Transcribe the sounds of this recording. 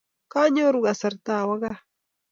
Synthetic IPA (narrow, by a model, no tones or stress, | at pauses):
kaɲoɾuɢɑsaɾt̪awɑɢɑ